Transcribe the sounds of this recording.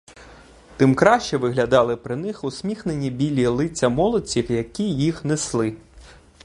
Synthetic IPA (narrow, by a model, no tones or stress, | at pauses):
t̪ɪmkɾɑʃt͡ʃɛʋɪɦlʲɐd̪ɑlˠɪpɾɪnɪxʊsʲmʲixnenʲibʲilʲilˠɪt͡sʲːɐmɔlˠɔt͡sʲiwjɐkʲijixneslˠɪ